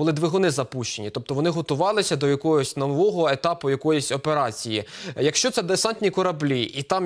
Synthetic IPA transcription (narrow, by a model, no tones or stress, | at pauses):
ʊlˠɪd̪ʋɪɦɔnɪzɐpuʃt͡ʃe̞nʲit̪ɔp̚t̪ɔʋɔnɪɦɔt̪ʊʋɑlˠɪsʲɐd̪ɔjɐkɔɦɔsʲnɔʋɔɦɔet̪ɑpʊjɐkɔjɔsʲɔpe̞ɾɑt͡sʲijijɐkʃt͡ʃɔt̪sɛd̪esɑnʲt̪ʲnʲikɔɾɐblʲiʔit̪ɑm